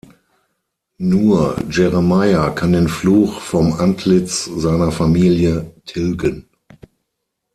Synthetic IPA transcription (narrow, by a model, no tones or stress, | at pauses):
nuːɐd͡ʒɛʁəmaɪakʰandeːnfluːxfɔmʔantʰlɪt͡szaɪnɐfamiːljətʰɪlɡən